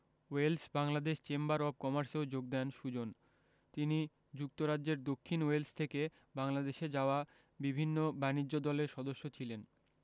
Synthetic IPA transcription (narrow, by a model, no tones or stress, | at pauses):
welsbaŋlad̪eʃt͡ɕembaɾɔb̚kɔmaɾseod͡ʑoɡ̚d̪ɛnʃud͡ʑon | t̪ini | d͡ʑuk̚t̪oɾad͡ʑʑeɾd̪okʰːinwelst̪ʰeke | baŋlad̪eʃed͡ʑaoa | bibʱinːobanid͡ʑːod̪ɔleɾʃɔd̪oʃːot͡ɕʰilen